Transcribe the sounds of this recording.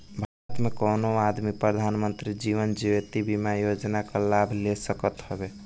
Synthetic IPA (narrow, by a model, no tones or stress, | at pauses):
bʱaɾət̪mekonoad̪mipɾəd̪ʱanmənt̪ɾid͡ʒiʋənd͡ʒiʋet̪ibimajod͡ʒnakəlabʱlesəkət̪ɦɔbe